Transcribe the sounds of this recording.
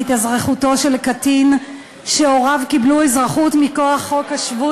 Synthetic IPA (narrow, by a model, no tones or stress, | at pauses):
it̪azʁeχuto̞ʃe̞lkatin | ʃeoʁavkibluezʁaχutmikoaχːo̞khaʃvu